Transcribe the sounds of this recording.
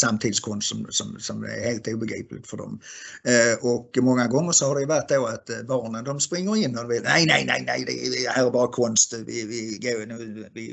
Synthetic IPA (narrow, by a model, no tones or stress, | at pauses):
samt̪ʰiːd̪ɪskʰɔnst̪sɔmsɔmsɔmæ̰ɾheːlt̪uːbəɛɡɾḭːplɪ̰t̪fɔɖɔ̰m | ɔkmɔŋːaɡɔŋːəʂɔhaɖ̪ɛjʉvæʈ̪̚ːd̪oːat̪bɑːɳənd̪ɔmspɾɪŋːəɾɪnːɔd̪ɵʋeːt̪næɪnæɪnæ̰ɪnæ̰ɪd̪ɛ̰ɪhæːɾɛbɑːɾakʰɔnst̪vɪ̰vɪɡonʉːvɪ